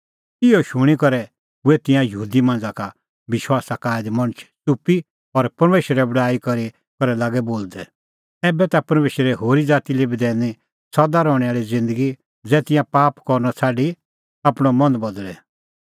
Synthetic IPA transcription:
ɪoʃʊɽ̃ikɔɾɛ | ʊɛt̪ɪ̃jãjɐɦuːd̪imãːn̆d͡zaka | bɪʃwaːsakaːɪd̪mɐɽ̃ət͡ʃʰsupi | ɔɾpɐɾmeːʃɾɛbɐɽaːikɔɾi | kɔɾɛlaːɡɛboːld̪ɛ | ɛːbɛt̪apɐɾmeːʃɾɛɦoːɾid͡zaːt̪ilebd̪ɛːni | sɐd̪aɾɔːɽ̃ɛaːɭid͡zɪ̃nd̪əɡi | d͡zɛːt̪ɪ̃jãpaːpkɔɾnɔt͡sʰaːɖi | apɽ̃ɔmɔ̃nbɔd̪lɛ

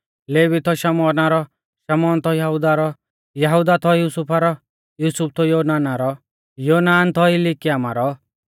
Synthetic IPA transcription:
leːʋit̪ʰɔʃɐmɔːnaɾɔ | ʃɐmɔːnt̪ʰɔjɐɦud̪aɾɔ | jɐɦud̪at̪ʰɔjuːsupʰaɾɔ | juːsup̚t̪ʰɔjoːnaːnaɾɔ | joːnaːnt̪ʰɔɪlikijaːma̰ɾɔ

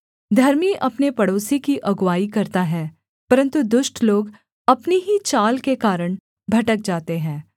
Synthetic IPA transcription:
d̪ʱɐɾmiʔɐpnepɐɽoːsikiʔɐɡwaːikɐɾt̪aɦɛ̃ː | pɐɾə̃nt̪ud̪ʊʃʈʰloːɡ | ɐpneɦit͡ʃaːlkekaːɾəɽ̃ | bʱɐʈək̚d͡ʒaːt̪eɦɛ̃ː

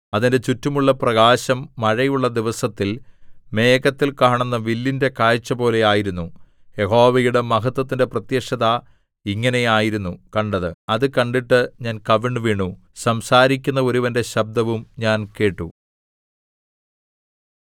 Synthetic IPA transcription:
ɐðinde̞t͡ɕutːumuɭːɐprɐɣaːɕɐmːɐɻɐjuɭːɐd̪iʋɐsɐt̪ːilme̞ːkɐt̪ːilkaːɳenːɐʋilːinde̞kaːjt͡ɕːɐpo̞ːle̞aːjiɾunːu | je̞ɦo̞ːʋɐjuɽe̞mɐɦɐt̪ːwɐt̪̬ːinde̞prɐt̪jɐkʂɐða | iŋːɐne̞jaːjiɾunːukɐɳɖɐðɨɐðɨkɐɳɖiʈːɨɲaːnkɐʋiɳɖɨʋiːɳusɐmsaːɾikʲːunːɐo̞ɾuʋɐnde̞ɕɐb̚d̪ɐʋumɲaːnke̞ːʈːṵ

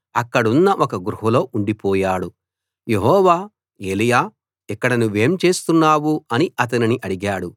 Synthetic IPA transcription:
ɐkːɐɽunːɐʔɔkɐɡɾuɦɐlo̞ːʔuɳɖipɔːjaːɽu | je̞ɦɔːʋaː | e̞ːlijaː | ikːɐɽɐnuʋe̞ːmt͡ʃe̞ːst̪unːaːwuɐniɐt̪̬ɐniniʔɐɽiɡaːɽu

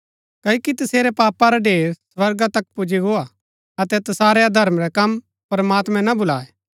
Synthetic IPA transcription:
kɐkit̪ɐseːɾɛpaːpaɾaɖeːɾsʋɐɾɡat̪ɐk̚pʊd͡ʒiɡoa | ɐt̪ɛt̪ɐsaːɾɛad̪ʱɐɾmɾɛkɐm | pɐɾmaːt̪mɛ̃nɐbʊla̰ːɛ

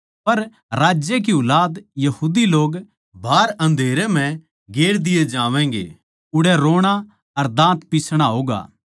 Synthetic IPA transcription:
pɐɾ | ɾaːd͡ʒjek̬iʊlaːd̪jɐɦuːd̪iloːɡ | bʱaːɾɐ̃nd̪ʱeːɾɛm̤ɛ̃ | ɡeːɽd̪ɪjed͡ʒãːʋɛ̃ŋɡḛː | ʊɽɛɾoːɽ̃a | ɐɾd̪ãːt̪pisɽ̃aɦoːɡa̰ː

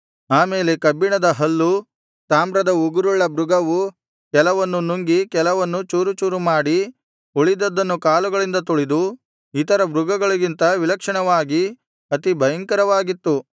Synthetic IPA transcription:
aːmeːlekɐbːiɳɐd̪ɐɦɐlːu | t̪aːmbɾɐd̪ɐuɡuɾuɭːɐbɾuɡɐʋu | kɛlɐʋɐnːunuŋɡikɛlɐʋɐnːut͡ʃuːɾut͡ʃuːɾumaːɽi | uɭid̪ɐd̪ːɐnːukaːluɡɐɭind̪ɐt̪uɭid̪u | it̪ɐɾɐbɾuɡɐɡɐɭuɡint̪ɐʋilɐkʂɐɳɐʋaːɡi | ɐt̪ibʱɐjɐŋkɐɾɐʋaːɡit̪ːu

